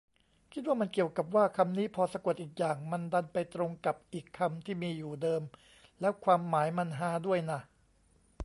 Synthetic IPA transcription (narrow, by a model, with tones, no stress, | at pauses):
kʰi˦˥t̪̚waː˥˩ma˧nki˨˩əwka˨˩p̚waː˥˩kʰa˧mniː˦˥pʰɔː˧sa˧ku˨˩ət̪̚ʔiː˨˩k̚jaː˨˩ŋma˧nda˧npa˧jt̪ɾo˧ŋka˨˩p̚ʔiː˨˩kʰːa˧mt̪ʰiː˥˩miː˧juː˨˩dɤː˧m | lɛː˦˥wkʰwaː˧mːaː˩˦jma˧nɦaː˦du˥˩əjna˧˩